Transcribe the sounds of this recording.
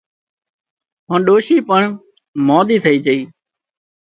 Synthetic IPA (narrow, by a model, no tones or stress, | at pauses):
ɦãːɗoːʃiːpəɳ | mɔːd̪iːt̪ʰəiːd͡ʒəiː